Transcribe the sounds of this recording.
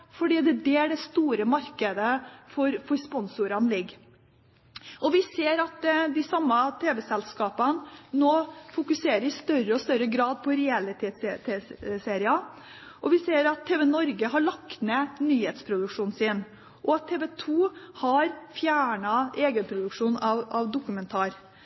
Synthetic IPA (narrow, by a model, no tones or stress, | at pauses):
fɔɖiːd̪ɛd̪ɛæɖɛst̪uːɾəmɑɾkəd̪əfɔɾfɔɾspɔnsuɾɑnlɪɡː | ɔʋɪseːɾɑt̪d̪ɪsɑmːət̪ʰeːʋɛsɛlskɑːpənnoːfʊkʉseːɾəɾɪst̪œɾəɔst̪œɾəɡɾɑːd̪pʰɔɾɛɛlɪt̪ʰɛst̪ʰeseːɾɪɑ | ʔɔʋɪseːɾɑt̪ʰːeːʋɛnɔɾɡəɦɑɭɑkt̪neːnyːheːt̪spʰɾʊd̪ʉkʂuːnsɪn | ʔɔɑt̪ʰːeːʋɛt̪ʰuːhɑɾfjæːɳɑʔeːɡənpʰɾʊd̪ʉkʂuːnɑʋɑʋd̪ʊkʉmɛnt̪ʰɑːɾ